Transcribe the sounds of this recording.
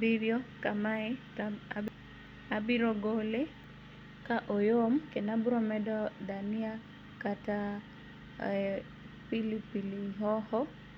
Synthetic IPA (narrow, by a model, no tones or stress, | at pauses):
biɾjɔkamae | abiɾɔɡole | kaʔojomkenabuɾɔmɛdɔdania | kata | pilipiliɦɔhɔ